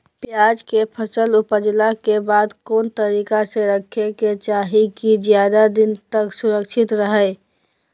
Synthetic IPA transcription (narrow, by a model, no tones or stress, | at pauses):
pjad͡ʒkepʰəsəlupəd͡ʒlakebad̪koːnt̪əɾikasẽɾəkʰeket͡ʃaɦikid͡ʒjad̪ad̪int̪əksuɾəkt͡ʃʰit̪ɾəɦəɪ